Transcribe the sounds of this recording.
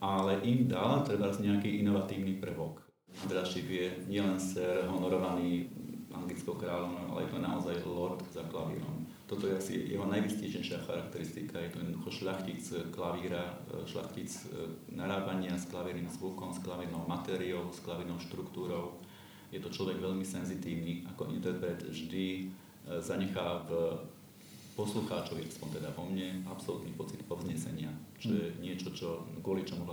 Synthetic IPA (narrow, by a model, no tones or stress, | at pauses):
ʔalɛʔimd̪alt̪ɾɛbazɲɛakiːʔinɔʋat̪iːʊnipr̩ʋɔk | ʔand̪ɾɛaʃipjɛɲɪɛlɛnsɛɾɦɔnɔɾɔʋaniːʔa̰ŋɡlit͡skɔʊkɾaːlɔʋnɔʊʔa̰lɛ̰jɛt̪ɔna̰ɔzajlɔt̪zaklaʋḭːɾɔ̰m | t̪ɔt̪ɔjɛasḭjɛ̰ɦɔnajʋiscɛjʃɛjʃɪaxa̰ɾak̚t̪ɛɾist̪ikajɛt̪ɔjɛd̪d̪uːxɔʃʎaxcit͡sklaʋiːɾa | ʃʎa̰xcit͡snaɾaːpaɲɪasklaʋiɾniːmzʋukɔmsklaʋinɔʊmat̪ɛːɾiɔʊsklaʋinɔʊʃt̪ɾukt̪uːɾɔʊ | jɛt̪ɔt͡ʃlɔʋɛɡʋɛʎmisɛnzit̪iːʊniakɔint̪ɛɾpɾɛt̪ʒd̪i | zaɲɛxaːv | pɔsluxaːt͡ʃɔʋiɾaspɔnt̪ɛd̪aʋɔmɲɛapsɔlut̪nipɔt͡sit̪pɔʊzɲɛsɛɲɪat͡ʃɔjɛɲɪɛt͡ʃɔt͡ʃɔɡʊɔlit͡ʃɔmuɦ